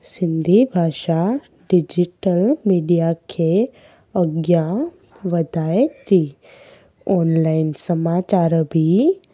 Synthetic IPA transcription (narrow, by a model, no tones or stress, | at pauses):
sɪ̃nd̪ʱibʱaːʃa | ɖɪd͡ʒiʈəlmiːɖijakʰe | əɡja | ʋɐd̪ʱaːet̪ʰi | ɔːnlaːɪnsəmaːt͡ʃaːɾbʱi